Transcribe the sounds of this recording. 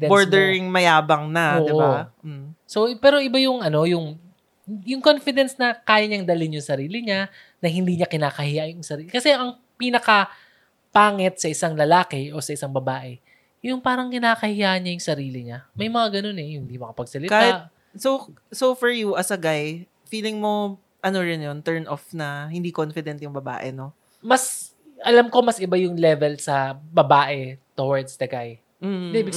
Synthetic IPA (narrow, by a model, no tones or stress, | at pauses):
boɹd̪ɛɹɪŋmɐjaːbɐŋnɐod̪ːʔo | sopɛːɾo̞ʔɪbajʊŋʔɐno̞jʊŋ | jʊŋko̞nfɪd̪ɛnsnɐkaːjɐɲɐŋd̪ɐlɪnjʊŋsɐɾiːlɪɲa | nɐhɪnd̪iːɲɐkɪnaːkɐhɪjajʊŋsɐɾiːkɐsɛʔɐŋ | pinɐkɐ | paːŋɛt̪̚sɐʔɪsaŋlɐlaːkɛʔo̞sɐʔɪsaŋbɐbaːʔɛ | jʊŋpaːɾɐŋkɪnaːkɐhɪjaːʔɐnɲɐjʊŋsɐɾiːlɪɲamɐjmɐŋaɡɐno̞nɛjʊhnd̪imɐkɐpɐɡ̚sɐlɪkaːhɪt̪̚ | so | sofɔɹjuʔɐsɐɡaj | fiːlɪŋmo̞ | ʔɐno̞ɾɪnjont̪ɛɹnʔofnɐhɪnd̪iːkonfɪd̪ɛnt̪jʊŋbɐba̰ːʔɛ̰no̞ | mɐs | ʔɐlamko̞mɐsɪbajʊŋlɛvɛlsɐbɐbaːʔɛt̪owɐɹd̪sd̪ɐɡaj | m̩ːd̪ɛbɪ